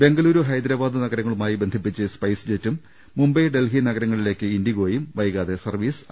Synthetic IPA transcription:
be̞ŋɡɐluːɾuɦɐjd̪ɾaːbaːd̪ɨnɐɡɐɾɐŋːɐɭumaːjibend̪ʱipːit͡ɕːɨspɐjsd͡ʑetːumː | umbɐjɖe̞lɦinɐɡɐɾɐŋːɐɭile̞ːkːɨind̪iɣoːjumʋɐjɣaːðesɐrʋiːs

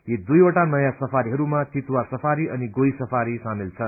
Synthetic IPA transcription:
jid̪ujoʈanʌjasʌpʰaɾiɦʌɾumat̪it̪wasʌpʰaɾiʔʌniɡojsʌpʰaɾisamilt͡sʰʌ

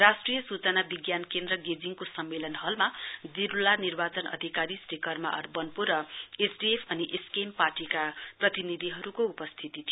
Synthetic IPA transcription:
rasʈrijʌsut͡sʌnabiɡjankend̪rʌɡed͡ziŋkosʌmːelʌnɦʌlmad͡ziɾulanirbat͡sʌnʌ̰d̪ʱikaɾisrekʌrma̰ʔʌ̰rbʌnpurʌesɖiepʰʌniʔeskemparʈikaprʌt̪inid̪ʱiɦʌɾukoupʌst̪ʰit̪it̪ʰijo

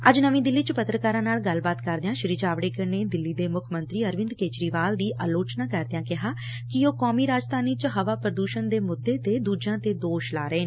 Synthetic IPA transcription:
əd͡ʒnəʋĩːd̪ɪlːiːt͡ʃəpət̪ɾəkaːɾãːnaːlɡəlbaːt̪kəɾd̪eãːʃɪɾiːd͡ʒaːʋɽeːkəɾneːd̪ɪlːiːd̪eːmʊkʰmənt̪ɾiːəɾʋɪ̃nd̪keːt͡ʃɾiːʋaːld̪iːʔaːloːt͡ʃnaːkəɾd̪ãːkɪɦaː | kɪoːkɔːmiːɾaːd͡ʒd̪aːniːt͡ʃəɦəʋaːpɾəd̪uːʃənd̪eːmʊd̪ːeːt̪ːeːd̪uːd͡ʒãːt̪eːd̪oːʃla̰ːɾəeː

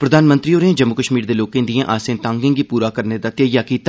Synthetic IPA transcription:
pɾəd̪aːnmənt̪ɾiːoːɾeãːd͡ʒəmːʊkəʃmiːɾd̪eːloːkẽːnd̪ijẽʔaːsẽːnt̪ãːŋɡɪ̃ŋɡiːpuːɾaːkəɾneːd̪aːt̪ɪjəjaːkiːt̪ː

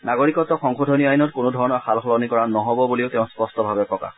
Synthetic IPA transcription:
naɡoɹikɔtːɔxɔŋxodʱɔniajnɔtkʊnudʱɔɹɔnɔɹxalxɔlɔnikɔɹanɔɦɔbɔbuliʊtɛʊ̃spɔstɔbʱabɛpɔka̰

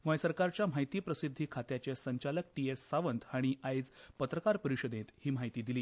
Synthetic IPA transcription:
ɡɔjsəɾkaɾt͡ɕjam̤ajt̪iːpɾəsid̪ʱːiːkʰat̪jat͡ɕesəɲt͡ɕalək̚ʈiesːaʋənt̪ʰaɽ̃iajd͡zpət̪ɾəkaɾpəɾiɕəd̪net̪hiːm̤aɦjt̪iːd̪iliː

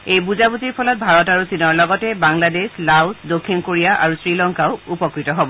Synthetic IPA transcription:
ejbuzabuziɹpʰɔlɔt̚bʱaɹɔtaɹusinɔɹlɔɡɔtɛbaŋladeslawsdokʰːinkoɹijaʔaɹusɹilɔŋkaʊupɔkɹitɔɦobɔ

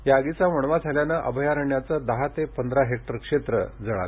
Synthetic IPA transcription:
jaɡit͡saməɳʋad͡zʱaljanəʔə̰bʱəjaɾəɳjat͡səd̪əɦat̪epənd̪ɾaɦek̚ʈəɾkʂet̪ɾə̰d͡zəɭa̰l

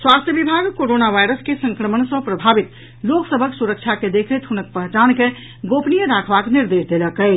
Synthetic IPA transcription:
swast̪ʰjəbibʱaɡkoɾonaʋajɾəskesə̃ŋkɾəmənsə̃pɾəbʱabit̪ | loksəbʱəksuɾək̚t͡ʃʰaked̪ekʰət̪ɦunəkpəɦt͡ʃanke | ɡopnijəɾakʰbakniɾd̪esd̪eləkə

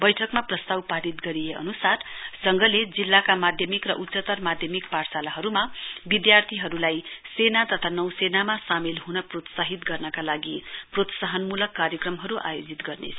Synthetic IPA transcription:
bʌjʈʰʌkmaprʌst̪awpaɾit̪ɡʌɾijeʌ̰nusard͡zʌŋɡʌled͡zilːakamad̪ʱjʌmikrʌʔutsʌt̪ʌrmad̪ʱjʌmikpaʈsalaɦʌɾumabid̪jart̪ʰiɦʌɾulajsenat̪ʌt̪ʰanʌwsenamasamelɦunʌprot̪saɦit̪ɡʌrnʌkalaɡiprot̪saɦʌnmulʌkːaɾjʌkrʌmɦʌɾuʔa̰jod͡zit̪ɡʌrnḛt͡sʰʌ

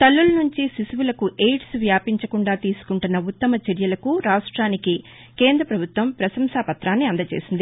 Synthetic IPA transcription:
t̪ɐlːulɐnuɲt͡ʃisisuʋulɐkuʔeːʈsʋjaːpiɲt͡ʃɐkuɳɖaːt̪iːsu̥kuɳʈunːɐut̪ːɐmɐt͡ʃeɾjɐlɐkuɾaːʂʈɾaːniki | keːnd̪ɾɐpɾɐbʱut̪ʋɐmpɾɐsɐmsaːpɐt̪ɾaːnːiɐnd̪ɐt͡ʃḛːsind̪i

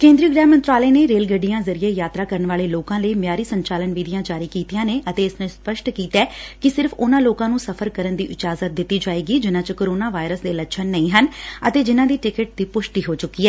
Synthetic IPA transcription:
kẽːnd̪ɾiuːɡɾɛːmənt̪ɾaːleːneːɾeːlɡəɖːɪjãːzəɾieːjaːt̪ɾaːkəɾənʋaːleːloːkãːləiːmjaːɾiːsəɲt͡ʃaːlənʋiːd̪ɪjãːd͡ʒaːɾiːkiːt̪ijãːneːʔət̪eːɪsnẽːspəʃʈkiːt̪ɛːkɪsɪɾfʰʊnãːloːkãːnũːsəpʰəɾkəɾənd̪iːʔɪt͡ʃaːzət̪̚d̪ɪt̪ːiːd͡ʒaːeːɡiːd͡ʒɪnãːt͡ʃkoːɾoːnaːʋaːɪɾəsd̪eːləʃʰənːəĩːɦənət̪eːd͡ʒɪnãːd̪iːʈɪkəʈ̚d̪iːpʊʃʈiːɦoːt͡ʃʊkːiːɛː

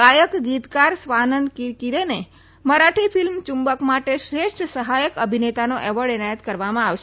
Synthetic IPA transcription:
ajəkɡit̪kaɾsʋanənkiɾkiɾene | məɾaʈʰifilmt͡ʃumbəkmaʈeʃɾeʃʈsəɦajəkəbʱinet̪anoʔɛʋəɽɛnajət̪kəɾʋamãaʋʃ

